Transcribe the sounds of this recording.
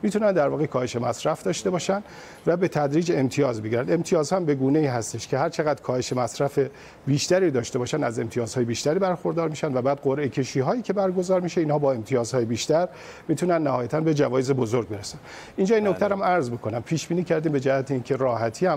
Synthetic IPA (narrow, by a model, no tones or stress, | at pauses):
mit̪ʰunænd̪æɾvɒːɣekʰɒːhe̞ʃe̞mæsɾæfd̪ɒːʃt̪e̞bɒːʃænd̪ | væbe̞t̪ʰæd̪ɾiːd͡ʒe̞mt̪ʰijɒːzbeɡɟiɾænd̪e̞mt̪ʰijɒːzhɒhæmbe̞ɡuːneiːɦæst̪e̞ʃkʰe̞hæɾt͡ʃʰe̞ɣæd̪̥kʰɒːhe̞ʃemæsɾæfe̞ | biːʃt̪æɾiːd̪ɒːʃt̪e̞bɒːʃænd̪æze̞mt̪ʰijɒːz̥hɒːje̞biːʃt̪æɾiːbæɾxo̞ɾd̪ɒːɾmiːʃænd̪væbæːd̪̚ɢoɾʔe̞cʰe̞ʃiːɦɒːjiːcʰe̞bæɾɡo̞zɒːɾmiʃeiːnhɒːbɒːe̞mt̪ʰijɒːzhɒːjebiːʃt̪æɾ | miːt̪ʰunænːæhɒːjæt̪ʰænbe̞d͡ʒævɒːjeze̞bo̞zoɾɡ̚be̞ɾesæn | ʔind͡ʒɒːjinːokt̪æɾæmæɾzbokʰo̞næmpʰiːʃbiːniːcʰæɾd̪iːmbe̞d͡ʒæhæt̪ʰeiːncʰe̞ɾɒːɦæt̪ʰiːæm